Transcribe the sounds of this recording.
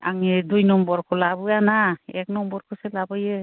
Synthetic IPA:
a̰ŋedujnɔmbɔɹkʰɔlabɯanaɛk̚nɔmbɔɹkʰɔselabɔje

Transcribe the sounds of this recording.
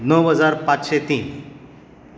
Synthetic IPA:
nəwɦəd͡zaɾpat͡sɕet̪iːn

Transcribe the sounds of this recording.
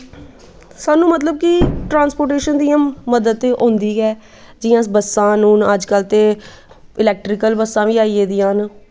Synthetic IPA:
saːnũːmət̪ləb̚kɪʈɾãːnspoːʈeːʃənd̪ijãːmːəd̪əd̪̚t̪eʔõːnd̪iːɡɛː | d͡ʒɪjãːsbəsːãːnũːnəd͡ʒkəlt̪eː | ɪlɛːk̚ʈɾɪkəlbəsːãːʋiːaːiːeːd̪ɪjãːn

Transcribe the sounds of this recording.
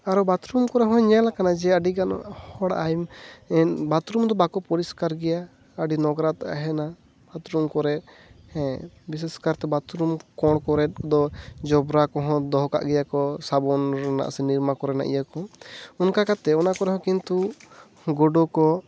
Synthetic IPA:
aɾɔbat̪ɾumkɔɾɛɦɔ̃ɲɛlakanad͡ʒɛəɖiɡanɔ̰hɔɽajmɛbat̪ɾumd̪ɔbakɔpɔɾiskaɾɡɛja | əɖinɔɡɾat̪aʔa̰ɦɛna | b̥at̪ɾumkɔɾɛt̪̚ | hɛ̃bis̬ɛskaɾt̪ɛbat̪ɾumkɔɽ̃kɔɾɛt̪̚d̪ɔd͡ʒɔbɾakɔɦɔ̃d̪ɔɦɔka̰ʔɡɛjakɔsabɔnɾɔna̰ʔsɛniɾmakɔɾɛna̰ʔḭjakɔunkakat̪ɛɔnakɔɾɛɦɔ̃kint̪u | ɡɔɖɔkɔ

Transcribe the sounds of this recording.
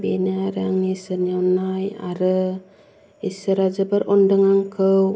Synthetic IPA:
benaɾaŋnisəɲawnaja̰ɾɯ | isəɾad͡ʒabəɾʔɔndəŋaŋkʰɯw

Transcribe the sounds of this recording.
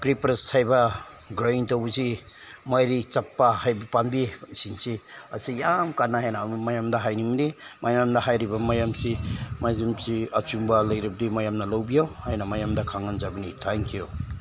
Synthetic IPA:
kɾipɾeshajbɐ | ɡɾajntawzi | majɾit͡ʃapːahajbɐpanbisinsiɐ̰sijamkanːaɦajnamajamdɐɦajnimdimajamdɐɦajɾibɐmajamsimazimsiɐt͡ʃumbalɐjɾib̚dimajamnɐlawbijawhajnɐmajamdɐkʰaŋanzabinitʰaŋkiju

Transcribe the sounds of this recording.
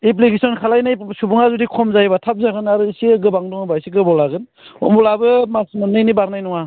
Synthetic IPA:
ip̬likesɔnkʰalajnajsubuŋazudikʰɔmzajbatʰap̚zaɡɯnaɾɯisiɡɯbaŋdɔŋɯbajsiɡɯbɔlaɡɯn | ɔ̰mbɔlabɯmasmanːɯjnibaɾnajnɔŋa

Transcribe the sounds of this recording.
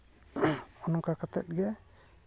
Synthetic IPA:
ɔnɔkakat̪ɛ̰t̪̚ɡɛ

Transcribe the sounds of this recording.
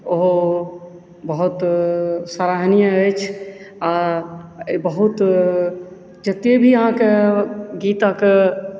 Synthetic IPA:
oɦo | bəɦut̪saɾaɦnijəəjt͡ʃʰa | bəɦut̪ | d͡ʒət̪ebʱiəɦãkeɡit̪ake

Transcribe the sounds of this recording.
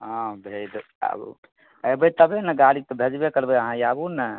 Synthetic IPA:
ɦɔ̃bʱed̪ | a̰bṵ | əjbət̪əbenəɡaɽik̚t̪ɔbʱed͡ʒbekəɾbeəɦãiabunə

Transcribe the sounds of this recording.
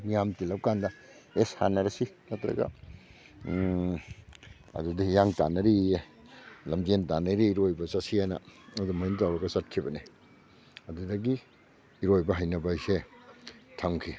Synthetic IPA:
mijamtilɐp̚kandɐ | esha̰nɐɾɐsi | nɐtɾɐ̰ɡɐ̰ | ɐ̰dudijaŋta̰nɐɾi | lɐmd͡ʒentanɐɾiːɾojbɐsasijanɐ̰ɐdumaintawɾɐɡɐsat̚kʰibɐni | ɐdudɐɡiː | ɾojbɐɦajnɐbajse | tʰaŋkʰi

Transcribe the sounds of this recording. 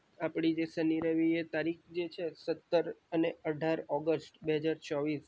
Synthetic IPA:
apɽ̃id͡ʒesəniɾəʋiet̪aɾikd͡ʒet͡ʃʰesət̪ːəɾəneəɖʱaɾɔɡəsʈbeɦəd͡ʒaɾt͡ʃɔʋis

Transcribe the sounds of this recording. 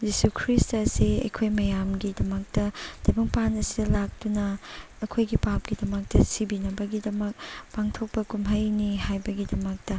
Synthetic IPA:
zisukʰɾistɐseɐ̰jkʰojmɐjamɡidɐmɐk̚tɐd̥ɐjbɐŋpanɐsidɐlak̚tunɐː | kʰojɡipap̚ɡ̥idɐmɐk̚tɐsibinɐbɐɡidɐmɐk̚paŋtʰok̚pɐkumɦɐjnihajbɐɡidɐmɐk̚tɐ

